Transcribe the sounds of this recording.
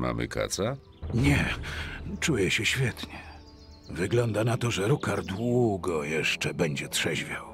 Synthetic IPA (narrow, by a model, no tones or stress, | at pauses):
ma̰mɘ̰ka̰t̪sa | ɲɛ | t͡ʂujɛɕɛɕfʲjɛt̪ɲɛ | vɘɡlɔnd̪anat̪ɔʐɛɾukaɾd̪wuɡɔjɛʂt͡ʂɛbɛɲd͡ʑɛt̪ʂɛʑvʲjaw